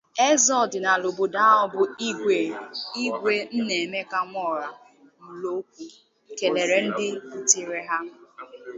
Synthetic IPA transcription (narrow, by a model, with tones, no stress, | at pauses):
e˦zɔ˦˨dɪ˨na˨lo˨bo˨da˦ɔ˦bʊ˦e˨i˦ɡʷe˦n̩˦ne˨me˦ka˦ŋʷɔ˦˨ɾa˨ | m̩˨lo˦k̚ʷu˦ | ke˨le˨ɾe˨n̩˦dɪ˦tɪ˨ɾe˦ɦa˦